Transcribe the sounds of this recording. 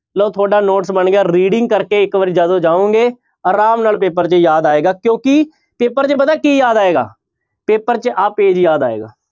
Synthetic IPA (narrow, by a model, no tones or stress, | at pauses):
loːt̪ʰoːɖaːnoːʈsbəɳɡaːɾiːɖɪ̃ŋɡ̚kəɾkeːɪkʋəɾid͡ʒaːd̪õːd͡ʒaːõːŋɡeː | aːɾaːmnaːlpeːpəɾt͡ʃəjaːd̪aːeːɡaːkjõːkɪ | peːpəɾt͡ʃəpət̪ɛːkiːjaːd̪aːeːɡa̰ː | peːpəɾt͡ʃʔaːpeːd͡ʒjaːd̪a̰ːḛːɡa̰ː